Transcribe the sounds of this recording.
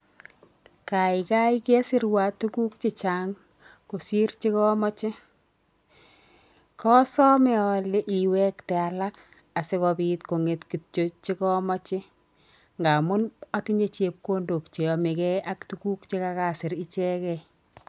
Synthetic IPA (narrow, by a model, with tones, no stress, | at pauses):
ka˨ɪka˦i˦ke˦sɪ˦ɾwa˨tu˦ku˦k̚t͡ʃɪ˦t͡ʃaŋ | ko˨si˦rt͡ʃi˦kɔ˦mɔ˦t͡ʃɪ˦ | kɔ˦sɔ˦mɛ˦ɔ˨le˦ʔi˨wɛ˦ktɛ˨a˨la˦k | a˨sɪ˦kɔ˧bi˦tko˨ŋe˨tki˨tt͡ʃo˦t͡ʃi˦kɔ˦mɔ˦t͡ʃɪ˦ | ŋɡa˨mʊ˦na˦ti˦ɲe˦t͡ʃe˦p̚ko˦ndo˨kt͡ʃe˨ɔ˨mɪ˨kɛ˦a˦ktu˦ɡu˦kt͡ʃi˦ka˧ka˨sɪ˨ɾi˦t͡ʃɛ˦kɛ